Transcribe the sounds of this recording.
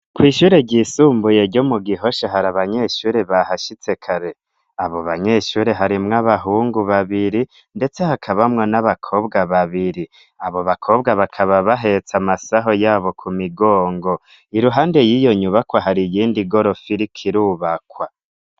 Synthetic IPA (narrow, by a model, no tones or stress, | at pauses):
kwiːʃuːɾe̞ɟiːsuːmbuje̞ɾɟomuɡiɦo̞ʃaɦaɾaβaɲe̞ʃuːɾe̞βahaʃit͡se̞kʰaɾe̞ | aβo̞βaɲe̞ʃuːɾe̞ɦaɾimŋaβaɦuːŋɡuβaβiɾi | nde̞t͡se̞hakʰaβamŋonaβakʰo̞bɡaβaβiɾi | aβo̞βakʰo̞ːbɡaβakʰaβaβaɦe̞t͡samasaɦo̞jaːβo̞kʰumiɡoːŋɡo̞ | iɾuɦaːnde̞jijo̞ɲuβakwaɦaɾijiːndiɡo̞ɾo̞fiɾikʰiɾuːβakwa